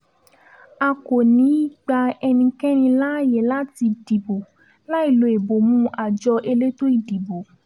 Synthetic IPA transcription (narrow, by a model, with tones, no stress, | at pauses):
a˧ko˨nĩ˨˦i˦ɡ͡ba˧ɛ˧nĩ˧kɛ̃˦ñĩ˧la˦˨jɛ˨la˦ti˧di˨bo˨ | la˦i˦˨lo˨˦e˨bo˨mũ˦ʔa˨d͡ʒɔ˧ʔe˧le˦to˦i˦˨di˨bo˨